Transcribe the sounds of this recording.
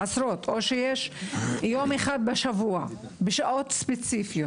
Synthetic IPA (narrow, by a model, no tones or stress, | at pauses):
asɾot̪oʃejeʃjomeχad̪̚beʃavuabeʃaʔo̞t̪spet͡sifijo